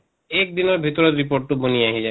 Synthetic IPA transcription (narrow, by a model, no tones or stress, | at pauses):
ek̚d̪inɔɾbʱit̪ɔɾeɾːipoɾʈːubonijaɦid͡ʑa